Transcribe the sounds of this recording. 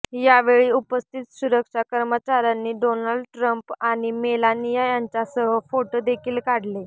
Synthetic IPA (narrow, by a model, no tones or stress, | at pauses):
jaʋeɭiːupəst̪ʰit̪suɾəkʂakəɾmət͡ɕaɾanːiːɖonalɖʈɾəmpaɽ̃imelanijajaɲt͡ɕasəɦəfoʈod̪ekʰiːlkaɽle